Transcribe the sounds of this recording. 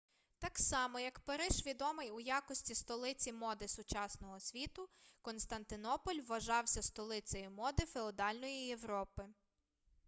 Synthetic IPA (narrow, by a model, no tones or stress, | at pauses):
t̪ɑksɑmɔjɐkpɐɾɪʒʋʲid̪ɔmɪjujɑkɔsʲtʲist̪ɔlˠɪt͡sʲimɔd̪ɪsʊt͡ʃɑsnɔɦɔsʲʋʲit̪ʊkɔnst̪ɐnt̪ɪnɔpɔlʲʋːɐʒɑwsʲɐst̪ɔlˠɪt͡sʲɐjimɔd̪ɪfeɔd̪ɑlʲnɔjije̞ʋɾɔpɪ